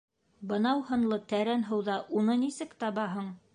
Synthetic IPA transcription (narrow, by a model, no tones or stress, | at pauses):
bɤ̆nɑwhɤ̆nlˠɤt̪æɾænɦɤ̆wðɑʔunɤnisɘkt̪ɑβɑɦɤɴ